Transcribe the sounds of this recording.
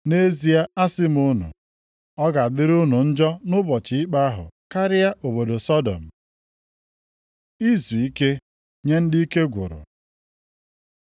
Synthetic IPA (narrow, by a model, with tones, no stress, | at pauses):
ne˦zi˦a˦a˦sɪ˦m˦ʊ˦nʊ̰˨ | ɔ˦ɡa˨dɪ˦ɾʊ˦nʊ˨n̩˦d͡ʒɔ˦nʊ˦bɔ˨t͡ʃɪ˦ɪ˦k͡pa˦a˦ɦʊ̰˨ka˦ɾɪ˦ja˦ʔo˨bo˨do˨sɔ˦dɔ̰˨m̩˨ | i˦zu˨i˦ke˦ | ɲe˦n̩˦di˦i˦ke˦ɡʷʊ̰˨ɾʊ̰˨